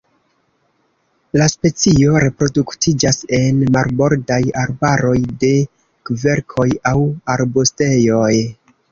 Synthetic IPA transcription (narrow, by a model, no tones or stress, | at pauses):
laspe̞t͡sio̞ɾe̞pɾo̞duktʰid͡ʒase̞nmaɾbo̞ɾdajaɾbaɾo̞jde̞ | kve̞ɾkʰo̞jawaɾbuste̞jo̞j